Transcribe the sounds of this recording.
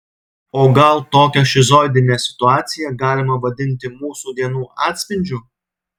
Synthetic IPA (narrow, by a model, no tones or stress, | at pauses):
oːɡɐlˠt̪oːkʲɛʃʲɪzoɪd̪ʲɪnʲeːsʲɪ̥t̪ʊɑːt̪sʲɪjɛɡɑːlʲɪmɐʋɐd̪ʲɪnʲt̪ʲɪmuːsuːd̪ʲiɛnuːʔɑ̰ːt̪ʲsʲpʲɪnʲd͡ʒʲu